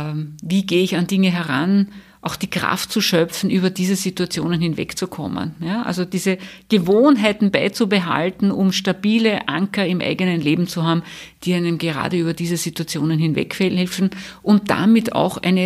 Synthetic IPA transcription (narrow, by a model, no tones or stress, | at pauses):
viːɡeːəɪçandɪŋəɦɛɐʁa̰n | ʔɑʊxd̥iːɡʁa̰ft̚t͡suʃœfn̩ʔyːβɐdiːzəzituat͡sjoːnənhɪnvɛ̰kt͡sukʰɔ̰mə̰njaʔa̰lzod̥iːzəɡ̥əvoːnɦæɪtn̩baɪt͡subəɦa̰ltn̩ʊmʃtabiːləʔa̰ŋkɐɪmʔæ̰ɪɡənənleːbm̩t͡suɦaːbm̩d̥iːæɪnəmɡəʁa̰ːdəyːbɐdiːzəzituat͡sjoːnənɦɪnvɛ̰kfɛɛlfn̩ʔʊnt̚d̥a̰mɪtʰa̰ʊxʔæ̰ɪnə